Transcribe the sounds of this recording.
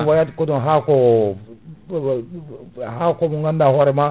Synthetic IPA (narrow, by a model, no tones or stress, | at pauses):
wajatkodɔ̃ɦako | hakomũŋɡandahɔɾɛma